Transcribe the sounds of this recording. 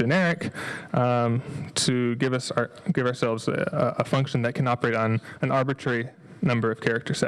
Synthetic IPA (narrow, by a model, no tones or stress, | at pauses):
d͡ʒɨnɛɹɪk | tʰɨɡɪvʌsɡ̥ɪvəə˞sɛlˠvzʔəfʌ̃ŋkʃn̩ðɨt̚kʰɨ̃nɑpə˞eɪɾn̩ɨ̃nɑɹbɨtʰɹ̥ɛɹi | nʌ̃mbə˞ʌv̥kʰɛɹɨk̚tʰə̥˞sɛ